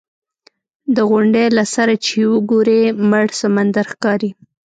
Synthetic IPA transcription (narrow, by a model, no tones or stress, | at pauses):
d̪əɣʊɳɖelasaɾat͡ʃewəɡoɾeməɽsamand̪aɾxkɑɾi